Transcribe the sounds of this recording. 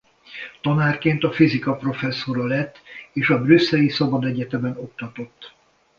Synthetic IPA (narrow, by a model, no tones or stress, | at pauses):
t̪ɒnaːrkeːnt̪ɒfizikɒpro̞fɛsːo̞ɾɒlɛt̪ːeːʃɒbrysːɛlisɒbɒd̪ɛɟɛt̪ɛbɛno̞kt̪ɒt̪o̞t̪ː